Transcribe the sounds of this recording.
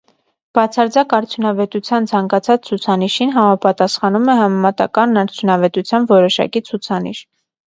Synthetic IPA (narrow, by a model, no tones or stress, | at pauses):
b̥ɑt͡sʰɑɾd͡zɑkɑɾt͡sʰjunɑvɛt̪ut͡sʰjɑnt͡sʰɑŋkɑt͡sʰɑt͡st͡sʰut͡sʰɑniʃinɦɑmɑpɑt̪ɑsχɑnumɛɦɑmɛmɑt̪ɑ̰kɑnːɑɾt͡sʰjunɑvɛt̪ut͡sʰjɑnvɔɾɔʃɑ̰kit͡sʰut͡sʰɑnḭʃ